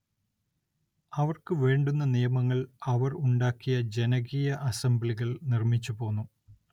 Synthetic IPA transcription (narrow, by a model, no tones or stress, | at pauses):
ɐʋɐrkɨʋeːɳɖunːɐnijɐmɐŋːɐɭɐʋɐruɳɖaːkːijɐd͡ʑe̞nɐɣiːjɐʔɐsɐmbliɣɐɭnirmit͡ɕːupo̞ːnːu